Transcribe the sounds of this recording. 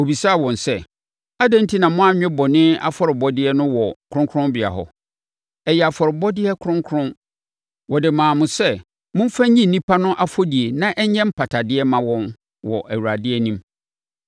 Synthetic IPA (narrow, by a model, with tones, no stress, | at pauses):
o˨bi˨sa˦˨wɔ̃˨nsɛ˦ | a˦dã˦n˦tʰi˦nã˨mʊ̃˦a˦ɲᶣɛ̃˦bɔ˨nɪ̃˦a̰˦fɔ˦ɾɪ˨bɔ˦dɪ˦ɛ˦nʊ̃˦wɔ˨kʰʊ˦ʊ̃˦ŋkʰʊ˦ɾʊ̃˦mbɪ˨a̰˨ɦɔ̰˨ | ɛ˨jɛ˨a˨fɔ˨ɾɪ˨bɔ˦dɪ˦ɛ˦kʰʊ˦ɾʊ̃˦ŋkʰʊ˦ɾʊ̃˦n | wɔ˨dɪ˨mãː˨mʊ̃˨sɛ˦ | mʊ̃˦m̩˦fa˦ɲĩ˦n̩˨nĩ˦pʰa˦nʊ̃˦ʔa˦fo˦di˨e˨nã˦ʔɛ˦ɲɛ̃˦m̩˦pʰa˨tʰa˨dɪ˦ɛ˦mã˨wɔ̃˦n | wɔ˨ʔæ˨wu˨ɾa˨dɪ˦ɛ˦nĩ˦m